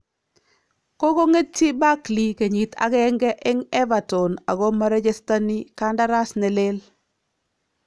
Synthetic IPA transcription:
ko˦ko˦ŋe˦tt͡ʃi˦ba˦kli˨ke˨ɲi˨ta̰˨kɛ˦ŋɡɛ˦ʔɪ˦ŋɛ˦va˨tɔ˨na˨ɣɔ˦ma˦ɾe˦t͡ʃe˦sta˦ni˦ka˦nda˦ɾa˦snɛ˨le˦l

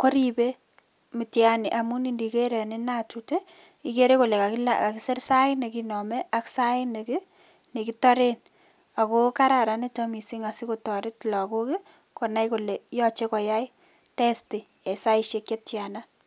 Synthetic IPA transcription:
ko˦ɾi˨be˦ | mi˨tjani˨ʔa˨mu˦ni˦˨ndi˨ke˦ɾe˨ne˦natu˨te˦ | i˨ke˦ɾe˦ko˨le˨ka˨kla̰ka˨ki˦se˦rsa˦ɪ˦ne˨ki˦nɔ˨mɛ˦ʔa˦ksa˦ɪ˦ne˨kɪ˦ | ne˨ki˦tɔ˦ɾe˦n | a˨ko˦ka˦ɾa˨ɾa˨ne˦to˦mi˨si˦ŋa˨si˦ko˨tɔ˨ɾɪ˦tlɔ˨ko˦kɪ˦ | kɔ˨na˦jko˨le˨jɔ˦t͡ʃe˦kɔ˨ja˦i˦ | tɛ˦sti˨ | e˨sa˦i˦ʃe˨kje˦tja˨na˦

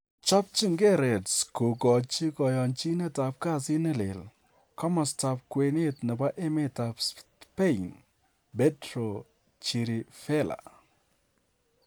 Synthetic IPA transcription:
t͡ʃɔ˦p̚t͡ʃi˦ŋɡɛ˦ɾɛ˨tsko˨kɔ˨t͡ʃi˦kɔ˨jɔ˨nt͡ʃi˦nɛ˦ta˨p̚ka˦˨sɪ˦nɛ˦lḛ˨l | kɔ˦mɔ˨sta˨p̚kwe˨nɪ˦tnɪ˨ba˦ʔe˦mɪ˦ta˨ps | pɛ˦in | bɛ˦tɾo˨ | t͡ʃi˨ɾi˨fɛ˦la̰˨

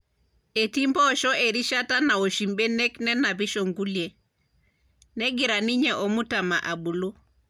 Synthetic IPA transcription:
e˨ti˦mbɔ˦˨ʃɔ˦ʔe˨ɾi˦ʃa˦ta˦na˨o˨ʃi˨mbe˦nɛ˦knɛ˦na˨βi˦ʃɔ˨ŋɡu˦lje˨ | nɛɡɪɾa˨ni˦ɲɛʔɔ˨mu˦tama˨ʔa˨bu˨lu˦

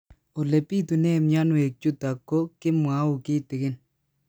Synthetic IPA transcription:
o˨le˨pi˦tu˨ne˦˨mɲa˦nwe˨k̚t͡ʃu˦ta˨kːo˦kɪ˦mwa˨˦ʊ˨kɪ˦tɪ˨kɪ˦n

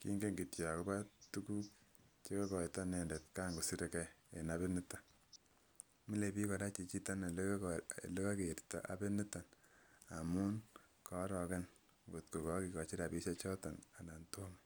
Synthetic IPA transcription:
kḭ˦ŋɡe˦ŋɡi˨tja˨ko˦ba˦tu˦ku˦kt͡ʃe˦kɔ˦kɔ˨ita˦nɛ˨nde˨t̚ka˦ŋɡo˨si˦ɾɛ˨kɛ˦e˨na˦be˦nɪ˦ta˦ | mi˦le˨pi˦kɔ˨ɾa˦t͡ʃi˨t͡ʃi˦ta˦na˨lle˦ka˦ke˨ɾta̰˨ʔa̰˨be˦nɪ˦ta˨na˨mu˦nkɔ˨˦ɾɔ˨kɛ˦n | ŋɡo˨tko˨kɔ˨˦ki˨kɔ˨t͡ʃi˦ɾa˨pi˦sa˦t͡ʃɔ˦ta˨na˨na˨nto˦mi

